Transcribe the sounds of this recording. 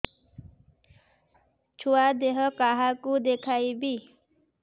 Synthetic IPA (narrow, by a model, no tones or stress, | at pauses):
t͡ʃʰuwad̪eɦəkaɦakud̪ekʰaibʱi